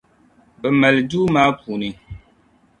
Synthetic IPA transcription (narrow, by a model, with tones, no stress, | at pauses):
bə˨mɛ˨lduː˦maː˦pu˨ni˨